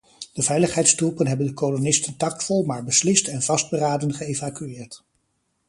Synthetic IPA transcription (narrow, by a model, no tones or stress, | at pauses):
d̥əvɛjləχɦɛjtstrupənɦɛbəndəkolonɪstəntɑktfɔlˠmaːɹbəslɪstɛnv̥ɑsd̚bəraːdənχəejvakyɪːɹt